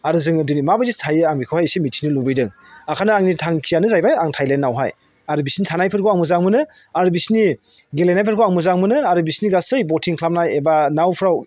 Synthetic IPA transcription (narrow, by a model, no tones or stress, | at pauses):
aɾuzɯŋɯdɯnimabaditʰajɯaŋbikʰɯwhajsimit̚sʰinilubɯjdɯŋ | akʰanɯaŋnitʰaŋkʰijanɯzajbajaŋtʰajlenːawɦa̰j | aɾubisnitʰanajpʰɯɾkʰoaŋmɯzaŋmɯnɯ | aɾubisni | ɡelenajpʰɯɾkʰoaŋmɯzaŋmɯnɯaɾubisniɡasɯjbotʰiŋkʰlap̚najebanawpʰɾaw